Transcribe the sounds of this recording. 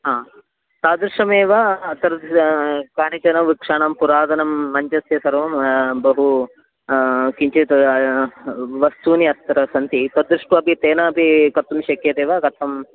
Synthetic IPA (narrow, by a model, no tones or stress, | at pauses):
ɦaː | t̪aːd̪ɾiʂɐmeːʋɐt̪ɐɾ | kaːɳit͡ʃɐnɐʋikʂaːɳɐmpuɾaːd̪ɐnɐmːɐɲt͡ʃɐsjɐsɐɾʋɐmbɐɦu | kiɲt͡ʃit̪ɐ | ʋɐst̪uːniɐt̪ːɐɾɐsɐnt̪it̪ɐd̪ɾiʂʈuɐpit̪eːnɐːpikɐɾt̪umʃɐkeːt̪eːʋɐkɐt̪ʰɐm